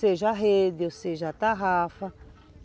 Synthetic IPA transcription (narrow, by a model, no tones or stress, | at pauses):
seʒaɦed̪ioseʒat̪aɦafa